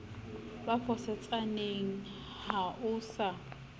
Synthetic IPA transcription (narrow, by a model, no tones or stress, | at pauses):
bafʰɔsɛt͡sʼaneŋ̩ | haʊːsa